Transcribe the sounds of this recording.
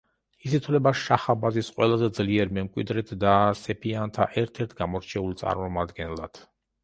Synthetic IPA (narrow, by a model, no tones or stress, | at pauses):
is̬it̪ʰlɛbaʃaχabazisqʼwɛ̰lˠazɛd̪zliɛɾmɛmkʼwḭd̪ɾɛt̪ʰd̪asɛpʰiant̪ʰa̰ʔɛɾt̪ʰɛɾt̪ʰɡamɔɾt͡ʃʰɛult̪sʼa̰ɾmɔmad̪ɡɛnlˠa̰d̪̥